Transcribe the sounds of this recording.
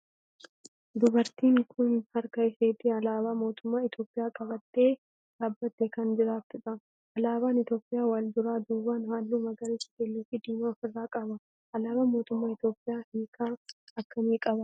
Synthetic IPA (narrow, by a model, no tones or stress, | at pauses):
d̪ʊbɐɾt̪iːŋkʰʊnhɐɾkɐɪseːt̪ːɪɐlaːβaːmo̞ːt̪ʊmːaːɪt̪jo̞ːpʼɪjaːkʼɐbɐt̪ːe̞ː | d̪̥aːbːɐt̪ːɛkɐnd͡ʒɪɾaːft̪ʊᶑɐ | ʔɐlaːbaːnɪt̪jo̞ːpʼːɪjaːwaːld̪ʊɾaːd̪uːbaːnhaːlːuːmɐɡɐɾit͡ʃːɪ̥kɛlːiːfɪd̪iːmaːfɪrːaːkʼɐbɐ | ʔɐlaːbaːmo̞ːt̪ʊmːaːɪt̪jo̞ːpʼːɪjaːhiːkʰaːɐkːɐmiːkʼɐbɐ